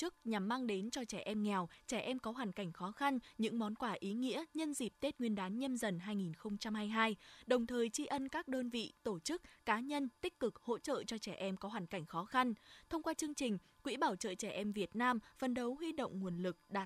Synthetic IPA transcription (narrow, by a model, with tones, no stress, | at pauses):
ɨ˦˥k̚ɲa˨˩mːaː˧ŋɗe˨˦nt͡ɕɔ˧t͡ɕɛ˧˩ʔɛ˧mŋɛ˨˩wt͡ɕɛ˧˩ʔɛ˧mkɔ˨˦ɦwaː˨˩ŋka˧˩jŋ̟xɔ˨˦xa˧nɲɨ̰˧˥ŋmɔ˨˦nkwaː˧˩ʔi˨˦ŋḭ˧˥əɲə˧nzi˨˩p̚t̪e˦˥t̚ŋwi˧ənɗaː˨˦nɲə˧mzə˨˩nɦaː˧jŋi˨˩nxə˧wŋ͡mt͡ɕa˧mhaː˧jɦaː˧jɗə˨˩wŋ͡mt̪ʰəː˨˩jt͡ɕi˧ʔə˧nkaː˦˥k̚ɗəː˧nvḭ˧˨t̪o˧˩t͡ɕɨ˦˥k̚kaː˨˦ɲə˧nt̪ï˦˥k̟̚kɨ˨˩k̚ho̰˧˥t͡ɕə̰ː˧˨t͡ɕɔ˧t͡ɕɛ˧˩ʔɛ˧mkɔ˨˦ɦwaː˨˩ŋ̟ka˧˩jŋ̟xɔ˨˦xa˧nt̪ʰə˧wŋ͡mkwaː˧t͡ɕɨ˧əŋt͡ɕï˨˩ŋ̟ | kwḭ˧˥ɓaː˧˩wt͡ɕə̰ː˧˨t͡ɕɛ˧˩ʔɛ˧mvi˨˩ət̚naː˧mfə˨˩nɗə˨˦wɦwi˧ɗo̰˧˨wŋ͡mŋu˨˩ənlɨ˨˩k̚ɗa̰ː˧˩